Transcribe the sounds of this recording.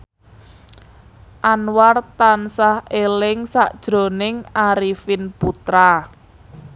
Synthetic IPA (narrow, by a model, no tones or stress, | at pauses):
ʔanwart̪ansahelɪŋsaʔd̥ʒ̥ɾo̤nɪŋaɾifinput̪ɾa